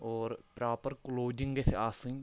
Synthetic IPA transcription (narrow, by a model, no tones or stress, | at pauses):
oːɾpɾaːpəɾkʊloːd͡ʒɪŋɡeseaːsĩŋ